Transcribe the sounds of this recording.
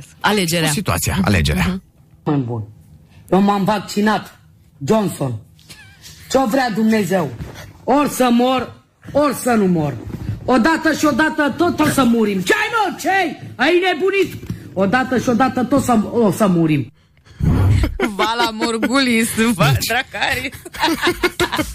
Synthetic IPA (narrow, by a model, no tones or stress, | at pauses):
aled͡ʒeɾasit̪ua̰t̪sija̰a̰lḛd͡ʒeɾea̰ | ɨnbṵnjewmamvak̚t͡ʃinat̪ | d͡ʒonson | t͡ʃovɾead̪umne̞ze̞worʲsəmor | orʲsənumorod̪at̪əʃio̞d̪at̪ət̪ot̪ːot̪səmuɾimt͡ʃajnot͡ʃejainebunit̪od̪at̪əʃio̞d̪at̪ət̪ot̪səosəmuɾim | valamoɾɡulisɨvad̪ɾakaɾi